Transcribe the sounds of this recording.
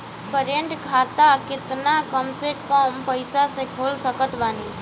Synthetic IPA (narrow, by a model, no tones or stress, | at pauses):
pəɾəɳʈkʰaːt̪akɪt̪nakəmsekəmpəɪsasekʰoːlsəkət̪baːni